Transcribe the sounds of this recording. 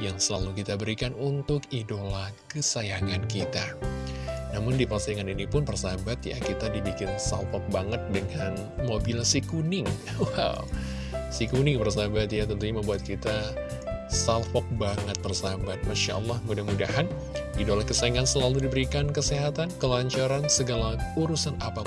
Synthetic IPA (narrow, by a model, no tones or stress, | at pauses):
jaŋsəlalukit̪abəɾikanunt̪ʊkidolahkəsajaŋankit̪a | namʊndipərsajaŋaninipʊnpərsabat̪ja̰kit̪adibikɪnsa̰lfɔk̚baŋət̪̚dəŋan | mobilsikunɪŋ | wa̰w | sikunɪŋpərsabat̪̚jat̪ənt̪uɲaməmbuat̪̚kit̪a | salfɔk̚baŋət̪̚pərsabat̪̚maʃa̰ʔɔlːɑhmudahmuda̰ɦan | ɡidolahkəsajaŋansəlaludibəɾikankəseɦat̪ankəlaɲt͡ʃaɾansəɡalauɾusanapa